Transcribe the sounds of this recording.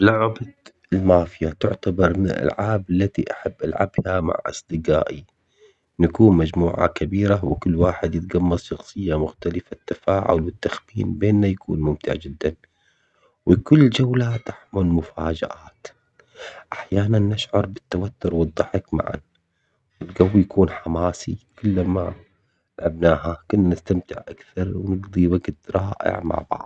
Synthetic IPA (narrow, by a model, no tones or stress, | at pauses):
blaʕba | ɪlmaːfɪjat̪ʊʕt̪abɑɾˤmɪnɪ̰lʔa̰lʕaːbalːat̪iʔaħabːʔa̰lʕa̰bhama̰ʕʔɑ̰sˤd̪ɨɡa̰ːʔi | nakuːnmad͡ʒmuːʕa̰kabiːɾawɪkʊlːwaːħɪd̪jɪt̪ɡamːɑɾˤʃɑxsˤɨjːamʊxt̪alɪfat̪ːafaːʕʊ̰lwɪt̪ːaxbḭːnbeːnːajakʰṵːnmʊmt̪ʰɪ̰ʕd͡ʒɪd̪ːan | wɪkʊlːd͡ʒawlat̪ʔaħmɪlmʊfaːd͡ʒa̰ʔaːt̪ | ʔaħjaːnanːɪʃʕɑɾˤbɪt̪ːawat̪ːʊɾwɨd̪ˤːɑħɪkma̰ʕa̰n | wɪlɡawːjakʰuːnħamaːsḭkʊlːama | lʕabnaːhakʊnːanɪst̪amt̪ɪʕʔakθɑɾˤwnɪɡd̪ˤiwaɡt̪ɾˤɑːʔɪ̰ʕma̰ʕbɑ̰ʕðˤ